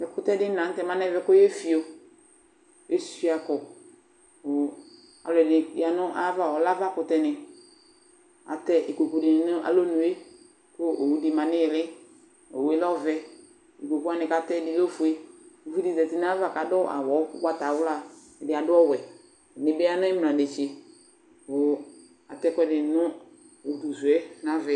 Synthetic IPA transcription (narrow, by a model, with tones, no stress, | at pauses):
ɛ˨kʊ˦tɛ˦dɪ˦nã˨˦n̩˦tɛ˦mã˦nɛ˦vɛ˨˦kʊ˦je˦fi˨o˨ | e˦si˦a˨kɔ˨ | a̰˨lɛ˨dɪ˨˦˨a˨nʊ˦ʔa˦va˨ɔ˨la˦va˦kʊ˨tɛ˦nɪ˨ | a̰˨tɛ˦ʔi˨ko˨ku˨dɪ˨nɪ˨˦nʊ˦ʔa̰˦lo˦nũ˨e˦ | kʊ˦ʔo˨wu˦di˨mã˨nɪ˦jɪ˨lɪ˦ | o˨we˦lɔ˦vɛ˨ | i˨ko˨ku˦a˨nɪ̃˨ka˨tɛ˦dɪ˨˦lo˦fu˨e˦˨fu˦di˨zɛ˨tɪ˦n˦a˦va˨ka˨dɔ˦ʔa̰˨wɔ˨˦kʊ˦ka˦ta˨˦wʊ˦la˦˨ | dɪ˨a˨dʊ˦ɔ˦wɛ˨ | nɪ˨bɪ˦a˦nʊ˦ɪ˦m˨nã˨de˨t͡ʃɪ˨ | ʊ˨ | a˨tɛ˦kɛ˦dɪ˨nʊ˦ | o˨u˨tu˨zwɛ˦na˦vɛ˨